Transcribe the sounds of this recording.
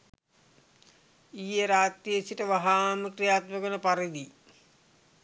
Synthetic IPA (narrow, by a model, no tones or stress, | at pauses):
iːeɾaːt̪ːiesiʈəʋaɦaːməkrijaːt̪məɡonəpaɾid̪i